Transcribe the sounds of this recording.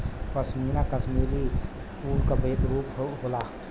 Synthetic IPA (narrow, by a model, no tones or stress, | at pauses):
pɐsmiːnakɐsmiːli | puːɾkabeːt̪ɾuːpoɦolaː